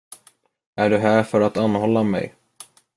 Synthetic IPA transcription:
æɖɵɦæːɾfœɾat̪anːhɔlːamɛ̰j

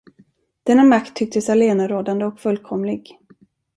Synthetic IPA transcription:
d̪̥ɛnːamakt̪ʰːʏk̚t̪əsaleːnaɾoːd̪and̪əɔkfɵlːkʰɔmlɪɡ

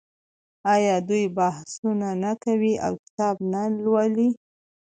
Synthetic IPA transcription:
ɑjɑd̪ujbahsunanakawiʔa̰wkɪ̥t̪ɑbnalwali

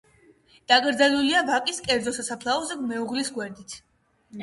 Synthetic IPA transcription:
d̪̥akʼɾd̪zɛluliavakʼiskʼɛɾd̪zɔsasapʰlˠaɔzɛɡmɛuʁlisɡwɛɾd̪it̪ʰ

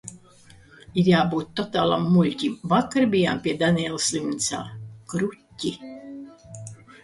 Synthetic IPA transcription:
iɾjaːbuːt̪ːɔt̪aːlˠa̰mːulʲcʲimvakːaɾbʲijampʲiɛd̪anʲɛːlˠslʲimt̪sa̰ːkɾutʲːi

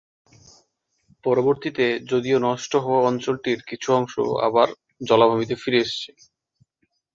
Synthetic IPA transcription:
pɔɾoboɾt̪it̪ed͡ʑod̪ionɔʃʈoɦɔaɔnt͡ɕolʈiɾkit͡ɕʰuɔŋʃo̰a̰baɾ | d͡ʑɔlabʱabit̪̬efiɾeeʃt͡ɕʰe̥

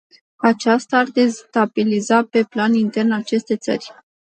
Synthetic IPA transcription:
at͡ʃast̪aːrd̪est̪abilizape̞planint̪e̞rnat͡ʃe̞st̪e̞t̪sə̰rʲ

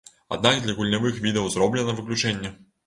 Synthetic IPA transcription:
a̰d̪nakd̪lʲɐɣulʲnʲavɨxvʲid̪ɐwzrɔblʲɛnɐvɨklʲut͡ʂɛnʲːɛ

